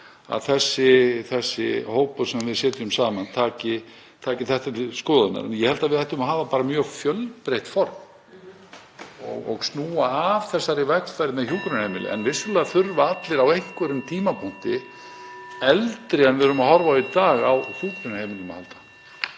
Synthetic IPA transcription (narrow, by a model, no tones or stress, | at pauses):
a̰ðθɛsːɪθɛsːɪ̰hoːwpʏ̥sɛmavɪðsɛːt̪ɪʏmsaːmant̪ʰaːcɪ | t̪ʰaːcɪθɛht̪at̪ɪskɔːðat̪na̰ɾnjɛhɛlt̪avɪðɛht̪ʏmaɦaːvapaːɾamjœːɣfjœlpɾejht̪fɔɾm | ɔ̰ɣɔ̰ɣsnuːaːv̥θɛsːaɾɪvɛk̪fajɾɪmɛðçjuːkɾʏnhejmɪlɪ̰ʔɛ̰nvɪsːʏlɛɣaθʏɾvaat̪lɪɾawejhkvœɾʏmt̪ʰiːmapʰɔn̥t̪ɪ | ɛlt̪ɾɪɛnvɪðɾʏmahɔɾvait̪aːɣa̰wçuːkɾʏnhejmɪlnʏma̰halt̪ḁ